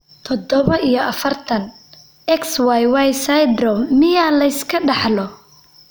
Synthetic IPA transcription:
t̪ʰɔd̪ɔβɐʔijɔʔɐfɐrt̪ʰɐn | ɛkswajwajsajd̪ɾɔmːɪjalɐɪskʰɐɖɑħlɔ

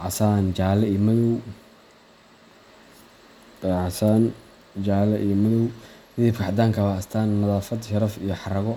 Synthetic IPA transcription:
ʕɑsaːnt͡ʃaːlɛijmɐðɔw | ʕɑsaːn | d͡ʒaːlɛʔijɔmɐðɔwd̪ɪðɪb̚kʰɐħɑd̪aːŋkʰɐβɐːst̪ʰaːnːɐðaːfɐd̪ʃɐɾɐfijɞħɑrɐɣɔ

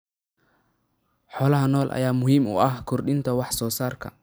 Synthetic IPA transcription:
ħɔːlɐɦɐnɔːlʔɐ̰jaːmʊɦiːmʊ̰ʔɐhkʰʊrɗɪnt̪ʰɐwɑħsɔːsaːrkʰɐ̰

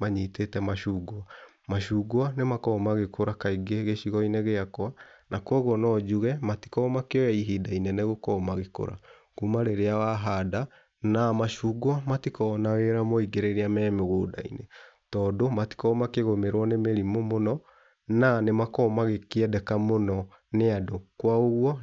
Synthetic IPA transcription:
maɲitetɛmaʃuɡa | maʃuːɡwanemakɔmaɣekoɾakaiɡeɣeʃiɣɔineɣeakwanakwɔɣwɔnɔd͡ʒuɣɛmati̥kɔmakeɔjɛiɦidainɛneɣokɔmaɣeko̰ɾa̰ | kumaɾeɾeawaɦada | namaʃuːɡwamatikɔnaweɾamoiɡeɾeɾeamɛmeɣoːda̰ḭne | tɔːdomati̥kɔmakeɣomeɾwɔnemeɾimomonɔ | nanemakɔmaɣekeɛdɛkamonɔ | neadokwaoɣwɔ

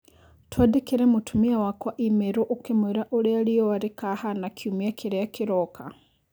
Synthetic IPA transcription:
twadikiɾɛmutʰumiawakwaʔimɛɾoʔukemwɛɾaʔoɾealiɔwaɾekahanakʰiumiakʰiɾɛakiɾɔkʰa

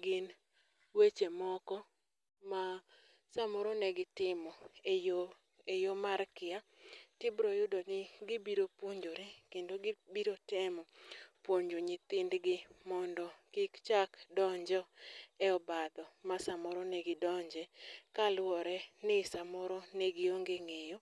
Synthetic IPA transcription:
ɡɪn | wet͡ʃemɔkɔ | ma | samoɾonɛɡɪtɪmɔejo | ejomaɾkɪatɪbɾojʊdonɪɡɪbiɾopwoɲd͡ʒoɾɛkendoɡbiɾotɛmɔpwoɲd͡ʒoɲɪt̪ɪndɡɪmɔndɔkɪkt͡ʃakdɔɲd͡ʒɔɛɔbad̪ɔmasamɔɾɔnɛɡɪdɔɲd͡ʒɛkalwɔɾɛnɪsamɔɾonɛɡɪoŋɡeŋejo

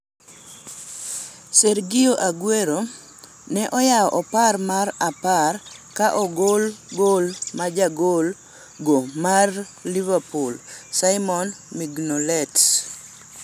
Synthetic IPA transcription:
seɾɡɪoʔaɡweɾo | nɛʔɔjaɔʔɔparmaraparkaʔɔɡolɡolmad͡ʒaɡol | ɡomar | livapulsaɪmɔnmiɡnolɛts

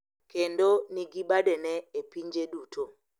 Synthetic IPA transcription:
kendoniɡibadɛnɛepiɲd͡ʒedutʰo

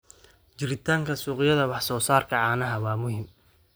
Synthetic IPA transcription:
t͡ʃɪɾɪt̪ʰaːŋkʰɐsuːqɪjɐðɐwɑħsɔːsaːrkʰɐʕɑːnɐɦɐwaːmʊɦɪm

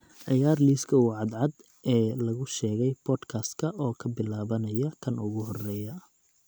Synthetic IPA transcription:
ʕɪjaːrliːskʰɐwɑʕɑd̪ʕɑd̪ | ɛːlɐɣʊʃɛːɣɛjbʰɔːd̪kʰaːst̪kʰɐʔɔːkʰɐbɪlaːβɐnɐjɐkʰɐnʔʊɣʊɦɔrɛːjɐ

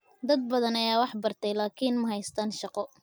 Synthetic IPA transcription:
d̪ɐd̪̚bɐðɐnɐjaːwɑħbɐrt̪ʰɛjlaːkʰiːnmɐɦɛjst̪ʰaːnʃɑqɔ

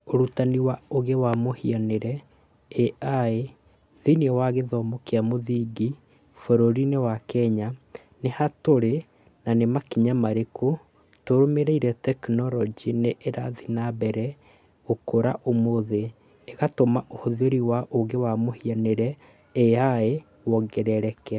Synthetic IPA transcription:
oɾutaniwaoɣewamohianeɾɛ | ɛae | ðiniɛwaɣeðɔmɔkeamoðiɡi | foɾoɾinewakɛɲa | nehatoɾe | nanemakiɲamaɾeko | toɾomeɾeiɾɛtɛknɔɾɔd͡ʒineʔːɾaðinabɛɾɛ | okoɾaʔomoðeː | ɣatomaʔohoðeɾiwaʔoɣɡewamohianeɾɛ | eae | wɔɡɛɾɛɾɛkɛ

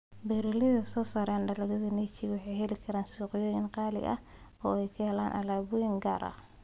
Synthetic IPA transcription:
bɛːɾɔlɪðɐsɔːsaːɾaːnɖɐlɐɣɐðɐnɛt͡ʃɪwɑħɑjɦɛlɪkʰɐɾaːnsuːqɪjɔːjɪnqɑːlɪ̰ʔɐ̰h | ɔːɛjkʰɐhɛlaːnʔɐ̰laːβʊjɪŋɡa̰ːɾʔɐ̰

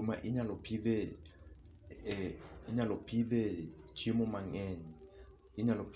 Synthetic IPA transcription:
umaʔiɲalɔpʰiðɛ | iɲalɔpʰiðɛt͡ʃʰimɔmaŋɛnɛ | iɲalopʰ

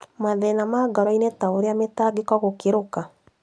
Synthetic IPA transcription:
maðɛnamaɡɔɾɔinetaoɾeametaɡekɔɣokeɾoka

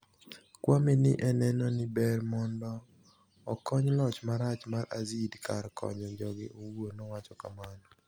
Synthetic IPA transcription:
kwamɪnɪʔɛnɛnɔnɪbɛrmɔndɔː | kɔɲlɔt͡ʃmaɾat͡ʃmaɾazidkʰaɾkʰɔ̰ɲɔɲd͡ʒɔɡɪʔowonɔwat͡ʃɔkamanɔ

